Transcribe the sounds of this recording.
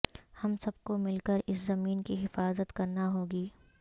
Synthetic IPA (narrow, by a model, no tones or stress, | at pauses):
hɐmsɐb̚komɪlkəɾɪszɐmiːnkiɦɪfaːzət̪kɐɾnaɦoːɡiː